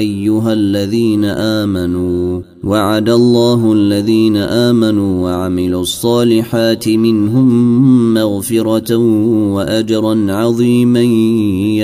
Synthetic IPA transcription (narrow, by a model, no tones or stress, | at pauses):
ʔajːʊɦalːaðiːnaʔaːmanuː | waʕad̪alˤːɑːɦʊʔalːaðiːnaʔaːmanuːwaʕamɪluʔɑsˤːɑːlɪħaːt̪ɪmɪnɦʊmːaɣfɪɾˤɑ | waʔad͡ʒɑɾˤɑnʕɑðˤiːma